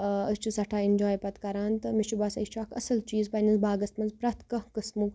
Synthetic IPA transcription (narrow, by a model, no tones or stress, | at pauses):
ɐst͡ʃusɐʈʰaːɪnʲd͡ʒaːjpɐt̪kɐɾaːnt̪ɨmit͡ʃubaːsɐit͡ʃʰaːkʰɐ̰sɐlt͡ʃiːzpɐnʲɐnzbaːɡɐst̪mɐnzpɾɐt̪ʰkɐhkɨsmuk